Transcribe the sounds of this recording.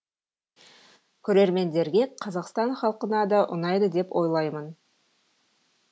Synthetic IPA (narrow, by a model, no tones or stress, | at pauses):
kʲʰɵɾe̞ɾme̞nd̪e̞ɾɡʲe̞qʰɑzɑqst̪ɑɴχɑlˠqənɑd̪ɑʔʊ̰nɑjd̪əd̪e̞pwʔo̞jlˠɑjmən